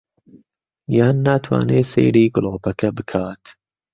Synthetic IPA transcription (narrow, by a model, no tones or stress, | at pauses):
jaːnːaːt̪ʰwa̰ːneːsḛːɾiːɡʊloːpɐkɐbɨkʰaːt̪